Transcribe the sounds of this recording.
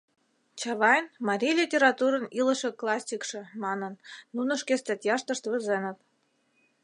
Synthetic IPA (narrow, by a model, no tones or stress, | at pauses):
t͡ɕɑβɑjnmɑɾʲijlʲitʲeɾɑt̪uɾɤ̆nilɤ̆ʃɤ̆klˠɑsʲikʃɤ̆mɑnɤnːunə̆ʃkest̪ɑt̪ʲjɑʃt̪ɤ̆ʃt̪βɘ̆zenə̆t̪̚